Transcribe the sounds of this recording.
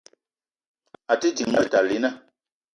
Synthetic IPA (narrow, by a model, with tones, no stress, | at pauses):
a˨ti˦d͡ʒi˨ŋmɛ˦lta˨li˨˦na˦˨